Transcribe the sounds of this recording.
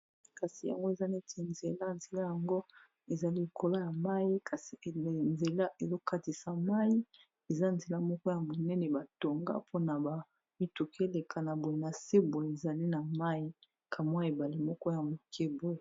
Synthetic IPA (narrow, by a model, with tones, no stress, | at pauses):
ka˨si˨ja̰˨ŋɡo˦e˨za˦ne˦tʰe˨nze˨la˦nze˨la˦ja˨ŋɡo˦ | e˨za˨li˦li˨kʰo˦la˦ja˨ma˦ji˦ka˨si˨nze˨la˦ʔe˨zo˦ka˦ti˨sa˨ma˦ji˦ | e˨za˦˨nze˨la˦mɔ˦kɔ˦ja˨mo˨nɛ˦nɛ˨ba˨to˨ŋɡa̰˦pʰo˦na˨ba˨ | mi˦tu˨kʰe˦le˨kʰa˨na˨bo˨je˨na˨se˦bo˨e˨za˨li˦na˨ma˦ji˦ | kʰa˨mwa˦e˨ba˨li˦mɔ˦kɔ˦ja˨mo˨kʰɛ˦bo˦˨